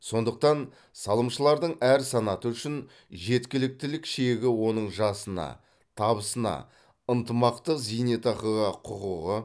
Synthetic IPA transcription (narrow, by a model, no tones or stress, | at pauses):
so̞nd̪əq̚t̪ɑn | sɑlˠəmʃəlˠɑɾd̪əɴæɾsɑnɑt̪əʏʃɪn | ʒe̞t̪kʲɪlɪk̚t̪ɪlɪkʃeɡʲɪwo̞nəɴʒɑsənɑ̰ | t̪ʰɑβəsənɑ̰ | ənt̪əmɑqt̪əqzijnet̪ɑqəʁɑqʰʊʁuʁə